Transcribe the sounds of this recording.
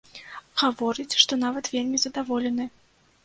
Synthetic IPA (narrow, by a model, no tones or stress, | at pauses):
ɣavɔɾɨt͡sʲʂt̪ɔnavɐt̪vʲelʲmʲizɐd̪avɔlʲɛnɨ